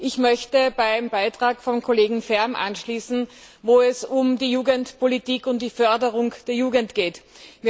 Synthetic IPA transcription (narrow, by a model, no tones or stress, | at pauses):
ʔɪçmœçtəbaɪmbaɪtʁ̥aːkfɔmkʰoleːɡŋ̩fɛɐmʔa̰nʃliːsn̩voːɛsʊmdiːjuːɡəntpʰolitiːkʊnt̚d̥iːfœɐdəʁʊŋd̥eːɐjuːɡəntɡ̥eːtmiː